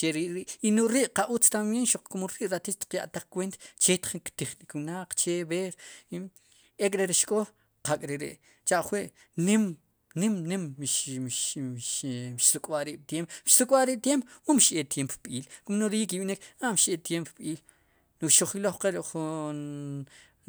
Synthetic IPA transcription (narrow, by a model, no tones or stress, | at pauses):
t͡ʃeɾiʔɾiʔinuɾiʔqaʔut͡st̪amjenʃuq͡χkumuɾiʔɾat̪it͡ʃt̪i̥qja̰ʔt̪aχkwent̪at͡ʃet̪χikt̪iχnikwnaq͡χt͡ʃeβeːɾ | ekʼɾeɾiʃkʼo | qakʼɾeɾḛʔ | t͡ʃaʔχwiʔ | nim | nimnimʃʃʃʃsukʼwaʔɾiːɓ̥̚t̪jempʃsukʼwaʔɾiːɓ̚t̪jempmumʃʔet̪jempoɓiːlkumnoɾiikiɓnikaʔmʃet̪jempoɓiːl | nukʃoχiloχqeɾiʔχun